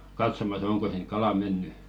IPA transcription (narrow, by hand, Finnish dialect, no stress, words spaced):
kɑtsomɑs oŋko siŋk̆ kɑlɑ menːy